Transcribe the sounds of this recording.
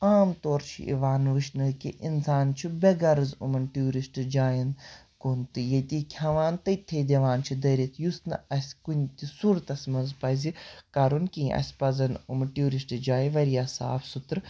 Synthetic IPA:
aːmt̪oːɾt͡ʃʰḭʔḭʋaːnʋɨʃnɐlkiʔinsaːnt͡ʃʰibeɡɐɾɨzṵmɐnʈuːɾisʈd͡ʒaːjɐn | kunt̪ɨjɐt̪ikʲʰɐʋaːnt̪ɐt̪ʰːeːd̪ʲeʋaːnt͡ʃʰid̪ɐɾʲit̪ʰjusnɐɐsʲkunʲt̪isuɾt̪ɐsʲmɐnzpɐzikɐɾunkĩʔɐ̰sʲpɐzɐnumʈjuːɾisʈɨd͡ʒaːjiʋɐɾijaːsa̰ːbsut̪ɾ

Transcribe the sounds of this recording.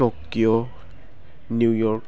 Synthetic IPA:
ɔkiɔ | nujɔɹk

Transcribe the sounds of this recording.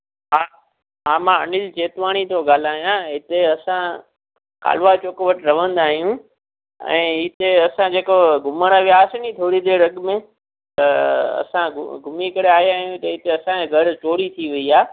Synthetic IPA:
ɦaː | ɦaːmãɐ̰nɪlt͡ɕeːt̪ʋaːɽ̃it̪ʰoɡaːl̤aːɦijãɦɪt̪eɐsã | ka̰ːl̤ʋat͡ɕoːkʋəʈɾɐʋə̃nd̪aːɦijũ | ɛ̰̃ːit̪eɐsãd͡ʑeːkoɡʱʊməɽ̃əʋjaːsnit̪ʰoːɽid̪eːɽɐɠmẽ | t̪ɐɐ̰sãɡʱʊmikəɽeaːɦjaːɦijũt̪ɐɦɪt̪eɐsãẽɡʱɐɾt͡ɕoːɾit̪ʰiʋɐiaː

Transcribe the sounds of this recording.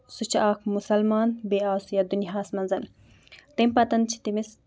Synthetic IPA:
sut͡ʃʰaːkmusɐlmaːnbeaːsujɐd̪uniɦaːsmɐnzɐn | t̪empɐt̪ɐnt͡ʃʰi̥t̪imis

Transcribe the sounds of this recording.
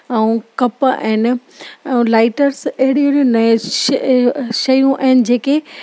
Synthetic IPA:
ɛ̃ũkɐpa̰ːɦɪnɪ̆̃ | laːɪʈəɾsɐɦɪɽiuniũnɐ | ʃɐjũʔaɦɪnɪ̆d͡ʑeːke

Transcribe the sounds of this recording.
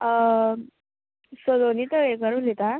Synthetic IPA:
sod̪onit̪əʋekəɾulit̪a

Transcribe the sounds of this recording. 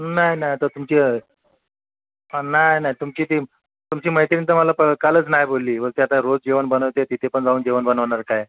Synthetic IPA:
najnajt̪əɾt̪umt͡ɕi | najnajt̪umt͡ɕiːt̪i | t̪umt͡ɕiːməjt̪iɾint̪əməlapəkalət͡snajbolːiːməɾt̪jat̪aɾod͡zd͡ʑiʋənbənəʋt̪et̪it̪ʰepəɳd͡zauːnd͡ʑiʋənbənəʋɳaɾkaj

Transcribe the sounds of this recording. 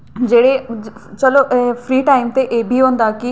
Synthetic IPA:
d͡ʑeːɽet͡ɕɐloʔfɾiːʈaːɪmt̪eʔeːbʱiɦõːn̆d̪aki

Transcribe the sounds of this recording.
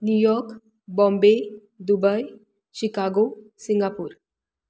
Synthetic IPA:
njujɔɾk | bɔ̃mbe | d̪ubəj | ɕikaɡo | siŋɡapuːɾ

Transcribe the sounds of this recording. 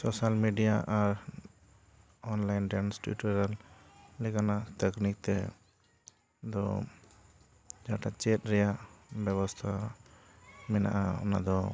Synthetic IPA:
sɔsalmiɖijaʔaɾ | ɔnlajnɖɛnsʈṵʈɔɾalːɛkanat̪əknik̚t̪ɛ | d̪ɔ̰ | d͡ʒaʈat͡ʃɛt̪̚ˀɾɛjaʔbɛβɔst̪ʰa | mɛna̰ʔaɔ̰na̰d̪ɔ

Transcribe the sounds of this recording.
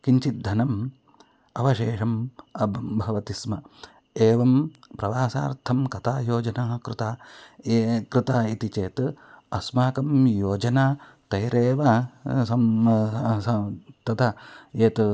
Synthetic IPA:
kiɲt͡ʃit̪̚d̪ʱɐnɐm | ɐʋɐʃeːʂɐmɐbbʱɐʋɐt̪ismɐ | eːʋɐmpɾɐʋaːsa̰ːɾt̪ʰɐmkɐt̪ʰaːjoːd͡ʒɐnaːɦɐkɾɪt̪aːekɾɪt̪aːit̪it͡ʃeːt̪ | ɐsmaːkɐmjoːd͡ʒɐnaː | t̪ɐjɾeːʋɐsɐm | ɐt̪ɐt̪ʰɐeːt̪

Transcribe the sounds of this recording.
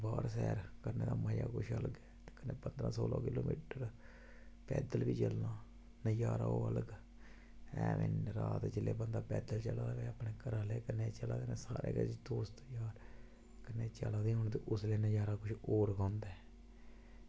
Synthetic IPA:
baːɾsɛ̰ːɾkəɾneːd̪aːməːjaːkʊʃʰəlɡɛːt̪eːkənːeːpənd̪ɾãːsoːla̰ːkɪloːmḭːʈəɾ | pɛːd̪əlbiːt͡ʃəlnãː | nəjaːɾa̰ːoːələɡ | ɛ̰̃ːmɪ̰nɾaːt̪d͡ʒɪleːbənd̪aːpɛːd̪əlt͡ʃəlad̪ːʋeːapneːkəɾaːleːkənːeːt͡ʃəlaːneːsaːɾḛːkəd̪oːst̪ːjaːɾ | kənːeːt͡ʃəlaːd̪iːɦʊɳt̪̬eːʔʊsleːnəjaːɾaːkʊʃʰoːɾkãːnd̪ɛː

